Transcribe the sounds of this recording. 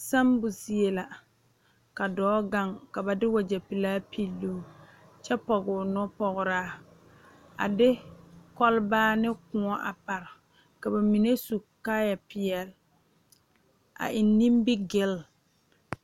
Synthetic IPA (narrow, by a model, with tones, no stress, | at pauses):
sa˦mbʊ˨si˦e˨la˨ | ka˨dɔː˨˦ɡa˦˨ŋka˨ba˨dɪ˦wa˨d͡ʒa˨pi˨laː˦pʰi˦lːu˦ | t͡ʃɛ˦pɔ˨ɡʊ˨nɔ˦pɔ˨ɣʊ˨ɾaː˦ | a̰˨dɪ˦kɔ˦lbaː˦nɪ˦kʊ˨ɔ˦ʔa̰˨pa˨ɾɪ˨ | ka˨ba˨mi˨ne˦su˨kːa˦ja˨pɪ˨ɛ˨l | a̰˨ʔɪ˨nːĩ˦mbɪ˦ɡɪ˦˨l